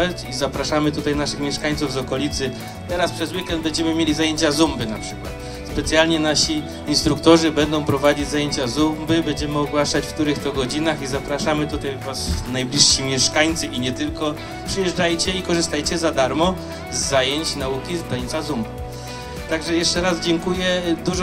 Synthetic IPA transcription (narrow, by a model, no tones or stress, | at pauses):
at͡ɕizapɾaʂamɘt̪ut̪ajnaʂɘxmʲɛʂkaɲt̪suvzɔkɔlʲit̪sɘ | t̪ɛɾaspʂɛzwikɛnd̪̚bɛɲd͡ʑɛmɘmʲjelʲizajeɲt͡ɕazumbɘnapʂɘkwa̰t̪ | spɛt̪sʲjalɲɛnaɕi | inst̪ɾukt̪ɔʐɘbɛnd̪ɔ̃w̃pɾɔvad͡ʑid͡ʑzajeɲt͡ɕazumbɘbɛɲd͡ʑɛmɘɔɡwaʂat͡ɕfkt̪uɾɘxt̪ɔɡɔd͡ʑinaxizapɾaʂamɘt̪ut̪ajvasnajblʲiʂːimʲjɛʂkaɲt̪sɘʔiɲɛt̪ɘlkɔ | pʂɘjɛʐd͡ʐajt͡ɕɛikɔʐɨst̪ajt͡ɕɛzad̪aɾmɔ | zːajeɲt͡ɕnaukʲizd̪at̪sazumbɘ | t̪aɡʐɛjɛʂt͡ʂɛɾazd͡ʑɛŋkujɛd̪uʐ